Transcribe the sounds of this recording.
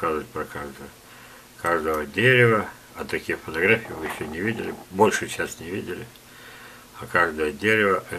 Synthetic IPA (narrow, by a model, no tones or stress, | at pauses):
kazəvət̚ʲpɾɐkaʐd̪əjə | kaʐd̪əvədʲeɾʲɪvə | ɐt̪ɐkʲijfət̪ɐɡɾafʲɪjvɨjɪɕːɵnʲɪvʲidʲɪ̰lʲɪ̰bo̞lʲʂɨt͡ɕæsʲt̪nʲɪvʲidʲɪlʲɪ | ɐkaʐd̪əjədʲeɾʲɪvəʔɐ